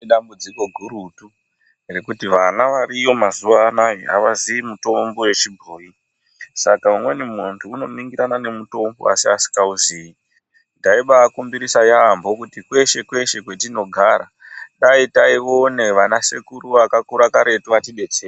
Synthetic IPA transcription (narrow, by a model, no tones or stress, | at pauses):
ɗambud͡ziko̞ɡʱuɾutu | rekutiʋanaʋaɾijo̞mazuʋaːnajea̰ʋaziimuto̞mbo̞we̞t͡ʃibʱoːi | sakaumwe̞nimuntuːno̞miŋɡiɾanane̞muto̞mbo̞̰a̰siasi̥kauziːi | ndaiɓaːkumbiɾisajaːmbo̞kutikwe̞ʃe̞kwe̞ʃe̞kwe̞tino̞ɡʱaɾa̰ | ɗaitaio̞ne̞ʋanasekuɾuʋakakuɾakaɾe̞tuʋatiɓe̞t͡seː